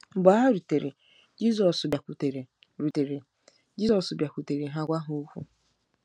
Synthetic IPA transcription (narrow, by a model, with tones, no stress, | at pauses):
ŋ͡m̩˨ɡ͡ba˨˦ɦa˦ɾu˨te˨ɾḛ˨ | d͡ʒi˦zɔ˨sba˨ku˨te˨ɾe˨ | ɾu˨te˨ɾe˨ | d͡ʒi˦sɔ˨sbja˨kʷu˨te˨ɾe˨ɦa˦ɡʷa˦ɦu˦u˦kʷṵ˦